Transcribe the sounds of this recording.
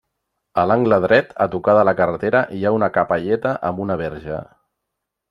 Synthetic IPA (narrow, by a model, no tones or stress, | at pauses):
əlaŋɡləðɾɛt̪ə̰t̪ukaðələkərət̪eɾəʔiaunəkapaʎɛt̪əʔəmbunəβɛɾʒə̰